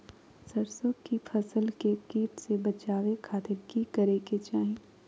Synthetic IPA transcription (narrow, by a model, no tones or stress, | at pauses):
sɐɾsõkipʰɐsəlkekiːʈsebɐt͡ʃaːʋekʰaːt̪ɪɾkikɐɾeket͡ʃaːɦĩ